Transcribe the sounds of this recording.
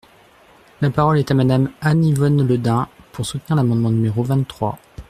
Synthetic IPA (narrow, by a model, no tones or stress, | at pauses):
lapaʁɔlɛt̪amad̪amanivɔnləd̪ɛ̃pʰuʁsut̪niʁlamɑ̃d̪mɑ̃nymeʁovɛ̃t̪t̪ːχwa̰